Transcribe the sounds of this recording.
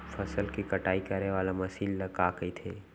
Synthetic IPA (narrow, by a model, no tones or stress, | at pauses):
fɐsəlkikɐʈaːikɐɾeʋaːlamɐsiːlːɐkaːkəit̪ʰeː